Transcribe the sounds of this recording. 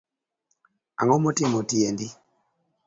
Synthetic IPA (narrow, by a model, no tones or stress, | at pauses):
a̰ŋɔmotɪmotiendi